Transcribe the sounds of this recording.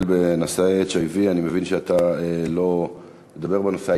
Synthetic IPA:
lbenoseet͡ʃojvianimevinʃeat̪aelo̞ | med̪abe̞ʁbenosea

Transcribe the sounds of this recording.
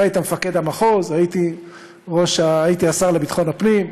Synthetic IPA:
ait̪amefake̞d̪amaχozait̪i | ʁo̞ʃaːit̪iasaʁle̞bit̪χo̞nhapnim

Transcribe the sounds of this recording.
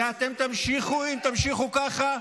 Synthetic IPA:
at̪e̞mt̪amʃiχuimt̪amʃiχukaχa

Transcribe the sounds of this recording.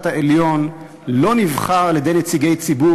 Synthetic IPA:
taʔeljo̞n | lo̞nivχaʁaljed̪e̞jnet͡siɡe̞jt͡sibu

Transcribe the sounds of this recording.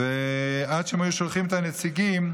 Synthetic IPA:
ead̪ʃeemajuʃolχimet̪anet͡siɡim

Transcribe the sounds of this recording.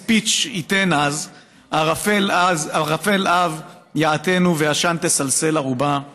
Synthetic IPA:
pit͡ʃite̞naz | aʁafelazaʁafe̞lav | jaat̪e̞nuvejaʃant̪esalse̞laʁuba

